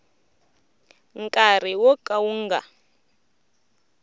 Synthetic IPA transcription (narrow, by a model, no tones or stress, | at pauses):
ŋkʼar̤iwɔkʼawuŋɡa̰